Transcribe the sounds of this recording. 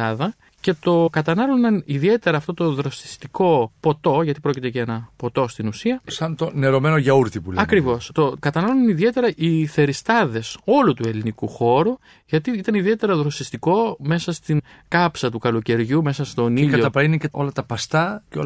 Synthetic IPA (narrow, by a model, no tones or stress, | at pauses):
ɐðɐ | ce̞t̪o̞kɐt̪ɐnɐlunɐniðie̞t̪e̞ɾɐːft̪o̞t̪o̞ðɾo̞si̥st̪iko̞po̞t̪o̞ʝɐt̪ipɾo̞cit̪eʝɐenɐpo̞t̪o̞st̪inusiɐsɐnt̪o̞ne̞ɾo̞me̞noʝɐuɾt̪ipuleɐkɾivo̞st̪o̞kɐt̪ɐnɐlunɐniðie̞t̪e̞ɾɐʔiθe̞ɾist̪ɐðe̞so̞lut̪ue̞linikuxo̞ɾu | ʝɐt̪iit̪ɐniðie̞t̪e̞ɾɐðɾosist̪iko̞me̞sɐst̪in | kɐpsɐt̪ukɐloce̞ɾʝume̞sɐst̪o̞niʎkɐoɐpɾɐineceo̞lɐt̪ɐpɐst̪ɐceo